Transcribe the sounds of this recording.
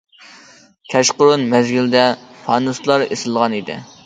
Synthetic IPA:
kʲʰɛʃqʊɾunmɛzɡʲild̪ɛfʰɑnuslˠɑɾesɪlˠʁɑnid̪ɪ̰

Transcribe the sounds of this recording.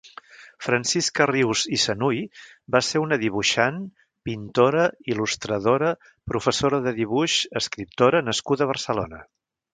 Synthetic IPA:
fɾənsiskəriwzisənujbaseɾunəðiβuʃan | pint̪oɾəilust̪ɾəðoɾə | pɾufəsoɾəðəðiβ̞uʃəskɾip̚t̪oɾənəskuðəβ̞ərsəlo̰nə

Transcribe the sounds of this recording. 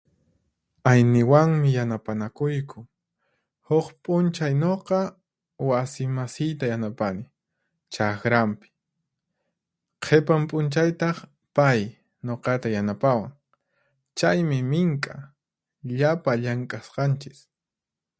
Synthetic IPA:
ajnɪwaŋmɪjanapanakʊjkʰʊ | hokpʼʊnt͡ʃajnoqɑ | wasɪmasɪjt̪ajanapanɪ | t͡ʃaxɾampɪ̥ | qʰepampʼʊnt͡ʃajt̪ɑχ | paj | noqɑt̪ajanapawaŋ | t͡ʃajmɪmɪŋkʼa | ʎapaʎaŋkʼasqɑnt͡ʃɪs

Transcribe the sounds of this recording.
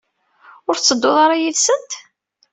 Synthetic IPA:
ʊɾt͡sːəd̪ːoðˤɑɾˤɑjilsənt̪

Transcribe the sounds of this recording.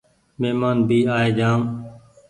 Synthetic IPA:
meːmaːnbiːaːeːd͡ʒaːm

